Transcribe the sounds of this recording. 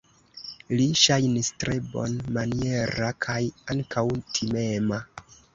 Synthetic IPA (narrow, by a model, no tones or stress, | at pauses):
liʃajnistɾe̞bo̞̰nmanie̞ɾakʰajaŋkʰawtʰime̞ma